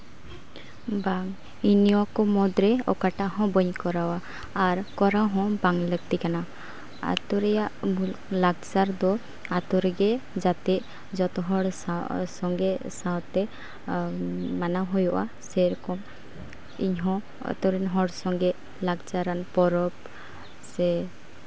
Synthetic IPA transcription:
baŋ | iniɔkɔmɔd̪ɾɛɔ̰kaʈaʔɦɔ̃bɔɲkɔɾawaː | ɾkɔɾaɦɔ̃baŋləɡ̚t̪ikana | a̰t̪ɔɾɛjaʔlaɡ̚t͡ʃaɾd̪ɔ | at̪ɔɾɛɡɛd͡ʒat̪ɛʔ | d͡ʒɔt̪ɔɦɔɽsasɔŋɡɛsawt̪ɛ | manaɦujɔʔa̰sɛɾɔkɔm | iɲɦɔ̃ | ɔ̰t̪ɔɾɛnɦɔɽsɔŋɡɛ | laɡt͡ʃaɾanpɔɾɔp̚ | sɛ

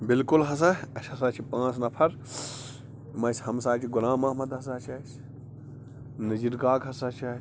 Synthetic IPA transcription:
bilkulɦɐs̬aɐsʲhɐsaːt͡ʃʰipãːt͡snɐpʰɐɾ | mɐshɐmsaːt͡ʃʰiɡunaːmɐːmɐd̪ɦɐs̬at͡ʃʰɐt͡ʃʰ | nɐziɾɡaːkɐsɐt͡ʃʰɐ

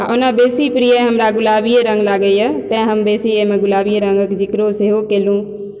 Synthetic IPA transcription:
aʔʊnabeːsipɾiːəɦɐmɾaɡʊlaːbiɾɐ̃ŋɡlaːɡəijət̪ɐ̃ɪ̃ɦɐmbeːsiemẽɡʊlaːbiəɾɐ̃ŋɡəkd͡ʑɪkɪɾoseɦokeːlũː

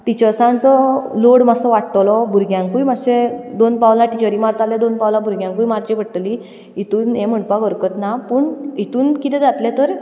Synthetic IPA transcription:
ʈ̪it͡ɕəɾsãnt͡sɔloɽmasɔʋaʈt̪lɔbʱuɾɡjãŋkujmasẽd̪onpawlãʈit͡ɕəɾimaɾt̪alɛd̪onpawlãbʱuɾɡjãŋkujmaɾt͡ɕipəɽʈ̪li | it̪uːnɛ̃m̤əɳpaɡʱəɾkət̪napuːɳit̪uːnkit̪ɛ̃d͡zat̪lɛt̪əɾ

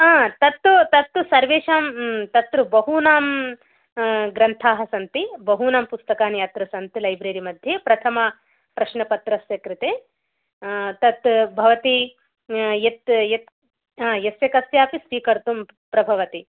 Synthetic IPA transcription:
aːt̪ɐt̪ːut̪ɐt̪ːusɐɾʋeːʃaːmt̪ɐt̪ɾubɐɦuːnaːm | ɡɾɐnt̪ʰaːɦɐsɐnt̪ibɐɦuːnaːmpust̪ɐkaːnjaːt̪ɾɐsɐnt̪ilɐjbɾeːɾimɐd̪ʱjeːpɾɐt̪ʰɐmɐ | pɾɐʃnɐpɐt̪ɾɐsjɐkɾɨt̪eː | t̪ɐt̪bʱɐʋɐt̪i | jet̪jet̪ | ajɐsjɐkɐsjaːpisʋiːkɐɾt̪um | pɾɐbʱɐʋɐt̪i

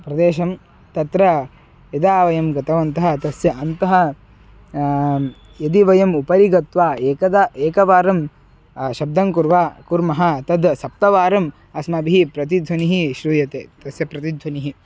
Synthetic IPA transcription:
pɾɐd̪eːʃɐm | t̪ɐt̪ɾɐ | jɐd̪aːʋɐjɐmɡɐt̪ɐʋɐnt̪ɐɦɐ̆t̪ɐsjɐʔɐnt̪ɐɦɐ̆ | jɐd̪iʋɐjɐmupɐɾiɡɐt̪ʋaːeːkɐd̪ɐeːkɐʋaːɾɐm | ʃɐb̚d̪ɐŋkuɾʋaːkuɾmɐɦɐt̪ɐd̪sɐp̚t̪ɐʋaːɾɐm | ɐsmɐbiɦipɾɐt̪̬id̪ʱwɐniɦiʃɾuːjɐt̪eːt̪ɐsjɐpɾɐt̪id̪ʱwɐniɦi

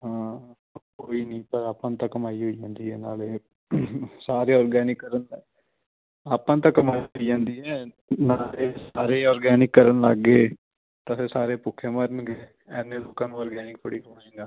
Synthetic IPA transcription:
ɦãː | koːiːnĩːpəɾaːpãːt̪ãːkəmaːiɦoːid͡ʒãːnd̪iːɦɛːnaːleː | saːɾeːɔːɾɡɛːnɪkːəɾən | aːpːãːt̪̬ãːkəmaːiɦoiːd͡ʒãːnd̪iːɦɛː | naːleːsaːɾeːɔːɾɡɛːnɪkːəɾənləɡeː | t̪aseːsaːɾeːpʊkʰːeːməɾənɡeː | ɛːnːeːloːkːãːnũːɔːɾɡɛːnɪk̚tʰoɽiːkəmaːẽːŋɡaː

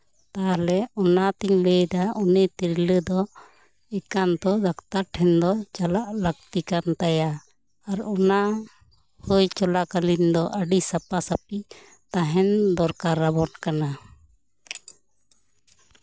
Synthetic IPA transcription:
t̪alɛɔnat̪iɲləjdaɔnɛt̪iɾləd̪ɔ | ɛkant̪ɔd̪akt̪aʈʰɛnd̪ɔt͡ʃalaʔləɡ̚t̪ikant̪ajaː | ɾɔna | hujt͡ʃɔlakalind̪ɔʔəɖisapasap̚i | t̪aɦɛnd̪ɔɾkaɾːabɔʈkana

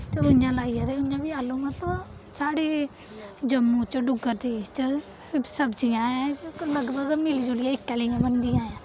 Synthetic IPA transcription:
t̪eːʊjãːlaːijãːt̪eːʊɲjãːbiːaːlõːmə̃t̪lə | saːɽeː | d͡ʒəmːũːt͡ʃəɖʊɡəɾd̪eːt͡ʃə | səbd͡ʒijãːãləɡbəɡmɪlːd͡ʒolɪjãːɪkːaːliãːbənd̪ɪjãːjãː

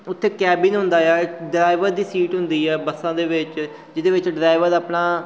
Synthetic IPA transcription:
ʊt̪ʰːeːkɛːbɪnɦʊ̃nd̪aːɛːɖɾaːɪʋəɾd̪iːsiːʈɦʊnd̪iːɛːbəsãːd̪eːʋɪt͡ʃ | d͡ʒɪd̪eːʋɪt͡ʃɖɾaːjʋəɾaːpnaː

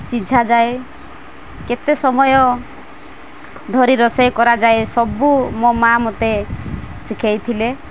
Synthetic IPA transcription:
sid͡ʒʱad͡ʒae | ket̪esɔmɔjɔ | d̪ʱɔɾiɾɔsɔjkɔɾad͡ʒaesɔbumomamot̪esikʰajt̪ʰile

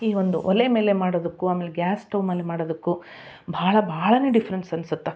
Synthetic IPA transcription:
iːʋond̪uʔɔleme̞ːlemaːɽoːd̪ɐkːuaːmːeːleɡjaːsʈɐwmɐlːemaːɽod̪ɐkːu | bʱaːɭɐbʱaːɭɐneːɖifʰɐɾensɐnsut̪ːe

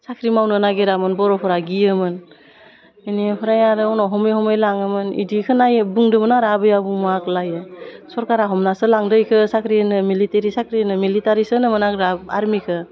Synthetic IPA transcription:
sakʰɾimawnɯnaɡeɾamɯnbɔɾɔpʰɔɾaɡiɯmɯn | inipʰɔɾajaɾɯɔwnɔɦɔmɯjhɔmɯjlaŋɯmɯnḭdikʰɯnajbuŋdɯmɯnaɾabɯjabumaklajɯsɔɾkaɾaɦɔmnasɯlaŋdɯjkʰɯsakʰɾinɯmiliteɾisakʰɾinɯmilitaɾisɯnɯmɯnakɾaa̰ɾmikʰɯ

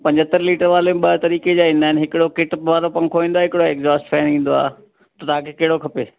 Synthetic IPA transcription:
pɐ̃ɲd͡ʑət̪əɾliːʈəɾʋaːlemɪ̃ɓɐɦt̪ɐɾiːked͡ʑaːɪ̃nd̪aːɪnɪɦɪkɪɽokɪʈpʋaːlopɐ̃ŋkʰoːʋĩːnd̪aːɦɪkɪɽoekzaːsʈfʰɛ̃ːnĩːn̆d̪oa̰ː | t̪ɐt̪aãkʰekeɦɪɽokʰɐpeː

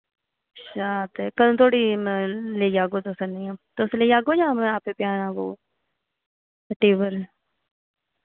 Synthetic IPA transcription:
ʃaːt̪ɛkəlõːt̪ʰoːɽiːlejaːɡoːt̪osənĩãːt̪oʊslejaːɡõːd͡ʒãːmaːpeːpjaːnãːʋo̰ː | ʈeːʋəl

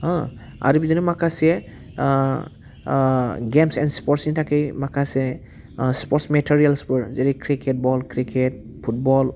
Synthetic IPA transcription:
ɔ̃ | a̰ɾibizinimakʰase | ɡemsɛnspɔɾtsnitʰakejmakʰase | spɔtsmetʰiɾialsbɯɹzeɾikʰɾikʰet̚bɔlkɾikʰet̚ | pʰut̚bɔl

